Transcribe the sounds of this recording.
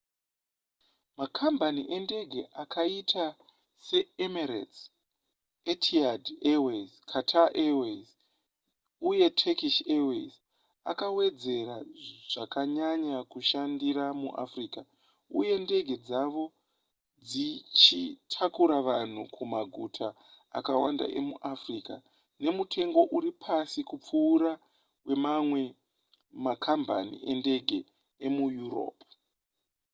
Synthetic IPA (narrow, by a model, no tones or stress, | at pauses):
makʰambaniʔende̞ɡʱe̞ʔakʰaitʰa | se̞emerḛs | etʰiadewezkʰatʰaʔewez | uje̞tʰekiʃewḛz | akawe̞d͡ze̞ɾaʐ̥akaɲaɲakuʃandiɾamṵʔa̰friːka | uje̞nde̞ɡʱe̞d͡zaʋo̞ | d͡zit͡ʃitʰakuɾaʋan̤ukʰumaɡʱutʰa̰ː | kawanda̰ʔe̞̰muʔafriːka | ne̞mutʰe̞ŋɡo̞ʔuɾipʰasikup͡fuːɾa | we̞mamwe̞ | makʰamba̰nḭe̞nde̞ɡʱe̞ | emujuro̞̰ːpu